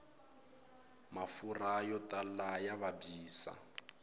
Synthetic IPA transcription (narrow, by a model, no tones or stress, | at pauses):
mafurajɔtalajaβabiːsa̰